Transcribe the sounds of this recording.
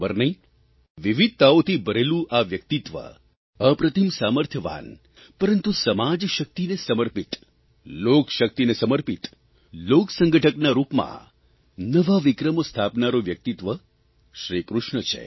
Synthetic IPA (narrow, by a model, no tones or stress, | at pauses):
bəɾnəĩ | ʋiʋid̪̚t̪aot̪ʰibəɾelũʔaʋjək̚t̪it̪ʋə̰ | əpɾət̪ʰəmsaməɾt̪ʰjəʋa̰n | pəɾənt̪usəmad͡ʒʃək̚t̪inesəməɾpit̪ | lokʃək̚t̪inesəməɾpit̪ | loksə̃ŋɡəʈʰəknaɾupmã̰ | nəʋaʋikɾəmost̪ʰapnaɾoʋjək̚t̪it̪ʋə | ʃɾikɾʊʃɳət͡ʃʰḛ